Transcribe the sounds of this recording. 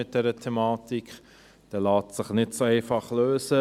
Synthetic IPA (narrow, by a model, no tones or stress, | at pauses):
ɪt̚d̥ɛɾətʰɛmɑːtikχ | d̥ɛlaːtsɪχnɪtsoɛɪfɑχløːsə